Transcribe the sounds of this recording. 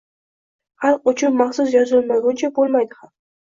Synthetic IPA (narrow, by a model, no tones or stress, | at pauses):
halˠqʊt͡ʃʰʊnmaχsʊs̬jɒzɪlmaɡʊnt͡ʃʰabolˠmajd̪ɪham